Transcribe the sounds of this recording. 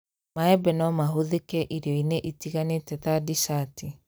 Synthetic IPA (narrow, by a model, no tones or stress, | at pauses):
maɛbɛnɔmaɦoðekɛʔiɾeɔineʔitiɣanetɛtadisati